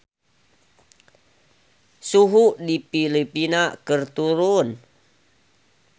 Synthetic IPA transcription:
suɦudipilipinakərt̪uɾʊn

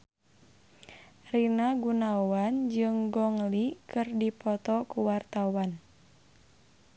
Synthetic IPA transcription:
rinaɡunawand͡ʒɨŋɡɔŋlikɨrdipɔt̪ɔkuwart̪awan

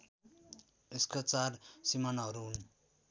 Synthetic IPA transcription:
eskat͡sarsimanɦʌɾuɦun

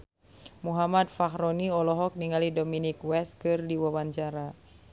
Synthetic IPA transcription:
muɦamat̪̚fahɾɔniɔlɔɦɔk̚niŋalidominikwɛskɨrdiwawaɲt͡ʃaɾa

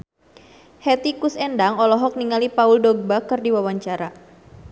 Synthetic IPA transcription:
hɛt̪ikusɛndaŋɔlɔɦɔk̚niŋalipauldɔɡ̚bakərdiwawaɲt͡ʃaɾa

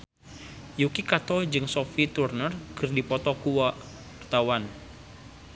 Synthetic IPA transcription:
jukikat̪ɔd͡ʒɨŋsofit̪urnərkɨrdipɔt̪ɔkuwaʔ | rt̪awan

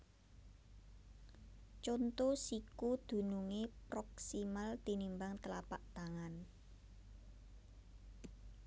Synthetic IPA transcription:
t͡ʃont̪osikud̪̥ṳnuŋepɾɔksimalt̪inimbaŋt̪əlapaʔt̪aŋan

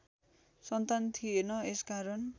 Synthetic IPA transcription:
sʌnt̪ant̪ʰijenʌeskaɾʌn

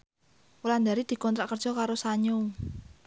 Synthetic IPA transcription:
uland̪aɾid̪̥i̤kɔnt̪ɾaʔkərd̥ʒ̥ɔ̤kaɾosaɲu

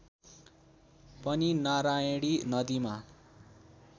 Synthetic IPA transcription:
pʌninaɾaeɽinʌd̪ima

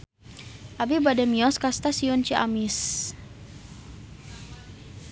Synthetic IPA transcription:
ʔabibadɛmiɔskast̪asiʊnt͡ʃiʔa̰mis

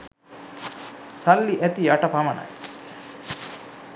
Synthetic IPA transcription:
sɐlːiʔæt̪iaʈɐpɐmɐna̰j

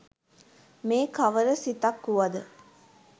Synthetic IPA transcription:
meːkaʋəɾəsit̪ɐkːuʋɐd̪ə

